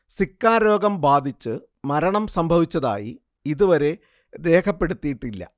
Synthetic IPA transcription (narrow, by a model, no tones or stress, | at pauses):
sikːaːɾo̞ːɡɐmbaːd̪ʱit͡ɕːɨ | mɐɾɐɳɐmsɐmbʱɐʋit͡ɕːɐða̰ːjḭ | iðuʋɐɾe̞ | ɾe̞ːkʰɐpːe̞ɽut̪ːijiʈːilːɐ̰